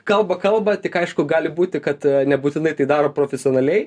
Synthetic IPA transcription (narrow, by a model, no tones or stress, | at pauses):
kɐlˠbɐkɐlˠbɐt̪ʲɪkɐɪʃkʊɡɑːlʲɪbuːt̪ʲɪkɐt̪nʲɛbuːt̪ʲɪnɐɪt̪ɐɪd̪ɑːɾoːpɾoːfʲɛsʲɪoːnɐlʲɛɪ